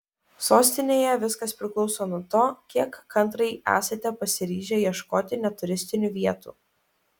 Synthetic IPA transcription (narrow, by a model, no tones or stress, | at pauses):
soːsʲt̪ʲɪnʲeːjɛʋʲɪskɐspʲɾʲɪklˠɒʊsoːnuɔt̪oːkʲiɛkːɐnˑt̪ɾɐɪæ̰ːsɐt̪ʲɛpɐsʲɪɾʲiːʒʲɛːjiɛʃkoːt̪ʲɪnʲɛt̪ʊɾʲɪsʲt̪ʲɪnʲuːʋʲiɛt̪ṵː